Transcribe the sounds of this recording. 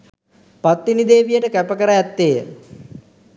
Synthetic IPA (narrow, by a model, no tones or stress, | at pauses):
pat̪ːinid̪eːʋijəʈəkæpəkəɾəɛt̪ːeːjə̰